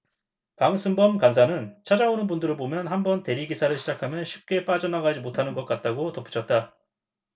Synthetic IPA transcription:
paŋsʰumbʌmkansʰanɯnt͡ɕʰad͡ʑaonɯnbundɯɾɯɭbomjʌnɦambʌnte̞ɾiɡisʰaɾɯɭɕʰid͡ʑakʰamjʌnɕʰip̚k͈e̞p͈ad͡ʑʌnaɡad͡ʑimotʰanɯnɡʌk͈̚at̚t͈aɡotʌpʰu̥t͡ɕʰʌt̚t͈a

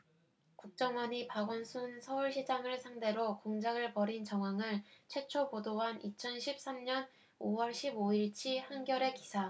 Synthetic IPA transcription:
kuk̚t͡ɕ͈ʌŋwʌnipaɡʌnsʰunsʰʌuɭɕʰid͡ʑaŋɯɭsʰaŋde̞ɾokoŋd͡ʑaɡɯɭpʌɾint͡ɕʌŋɦwaŋɯɭt͡ɕʰwe̞t͡ɕʰobodoɦanit͡ɕʰʌnɕʰip̚s͈amɲʌn | owʌɭɕʰiboiɭt͡ɕʰihanɡjʌɾe̞kisʰa

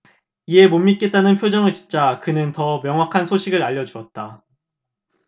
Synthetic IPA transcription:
ie̞momːit̚k͈e̞t͈anɯnpʰjod͡ʑʌŋɯɭt͡ɕi̥nt͡ɕ͈akɯnɯntʌmjʌŋwakʰansʰoɕʰiɡɯɾaʎːʌd͡ʑuʌt̚t͈a

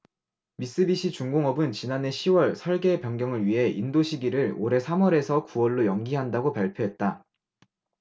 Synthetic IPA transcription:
mis͈ɯbiɕ͈ʰit͡ɕuŋɡoŋʌbɯnt͡ɕinane̞ɕʰiwʌɭsʰʌɭɡe̞pjʌŋɡjʌŋɯɭɥiɦe̞ʔindoɕʰiɡiɾɯɾoɾe̞sʰamwʌɾe̞sʰʌkuwʌɭːojʌŋɡiɦandaɡopaɭpʰjoɦe̞t̚t͈a

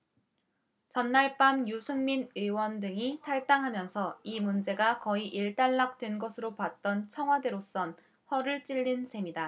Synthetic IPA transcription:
t͡ɕʌnːaɭp͈amjusʰɯŋminɯwʌndɯŋitʰaɭt͈aŋɦamjʌnsʰʌimund͡ʑe̞ɡakʌiʔiɭt͈aɭːak̚t͈we̞nɡʌsʰɯɾopat̚t͈ʌnt͡ɕʰʌŋɦwade̞ɾos͈ʌn | hʌɾɯɭt͡ɕ͈iʎːinsʰe̞mida

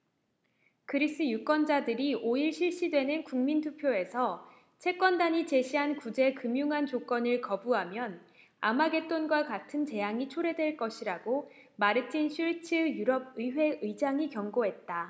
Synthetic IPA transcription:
kɯɾis͈ɯjuk͈ʌnd͡ʑadɯɾiʔoiɭɕʰiɭɕ͈idwe̞nɯnkuŋmintʰupʰjoe̞sʰʌ | t͡ɕʰe̞k͈wʌndaɲit͡ɕe̞ɕʰiɦankud͡ʑe̞kɯmjuŋɦant͡ɕok͈ʌnɯɭkʌbuɦamjʌn | amaɡe̞t͈onɡwakatʰɯnt͡ɕe̞jaŋit͡ɕʰoɾe̞dwe̞ɭk͈ʌɕʰiɾaɡo | maɾɯt͡ɕʰinɕʰiɭt͡ɕʰɯjuɾʌb̚ɯiɸwe̞ɯid͡ʑaŋikjʌŋɡoɦe̞t̚t͈a

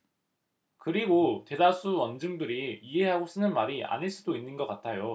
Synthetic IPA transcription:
kɯɾiɡote̞dasʰuwʌnd͡ʑɯŋdɯɾiiɦe̞ɦaɡos͈ɯnɯnmaɾia̰ɲiɭs͈udoinːɯnɡʌk͈atʰajo

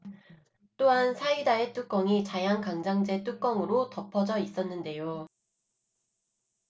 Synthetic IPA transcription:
t͈oɦansʰaidaet͈uk͈ʌŋit͡ɕajaŋkaŋd͡ʑaŋd͡ʑe̞t͈uk͈ʌŋɯɾotʌpʰʌd͡ʑʌis͈ʌnːɯnde̞jo

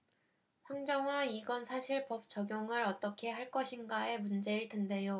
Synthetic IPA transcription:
ɸwaŋd͡ʑʌŋaniɡʌnsʰaɕʰiɭpʌp̚t͡ɕ͈ʌɡjoŋɯɾʌt͈ʌkʰe̞ɦaɭk͈ʌɕʰinɡae̞mund͡ʑe̞iɭtende̞jo

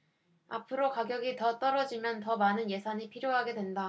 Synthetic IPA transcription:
a̰pʰɯɾokaɡjʌɡitʌt͈ʌɾʌd͡ʑimjʌntʌmanɯnje̞sʰaɲipʰiɾjoɦaɡe̞dwe̞nda

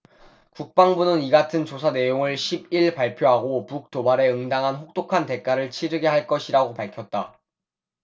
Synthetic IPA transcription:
kuk̚p͈aŋbunɯniɡatʰɯnt͡ɕosʰane̞joŋɯɭɕʰib̚iɭpaɭpʰjoɦaɡopuk̚t͈obaɾe̞ɯŋdaŋɦanɸok̚t͈okʰante̞k͈aɾɯɭt͡ɕʰiɾɯɡe̞ɦaɭk͈ʌɕʰiɾaɡopaɭkʰjʌt̚t͈a

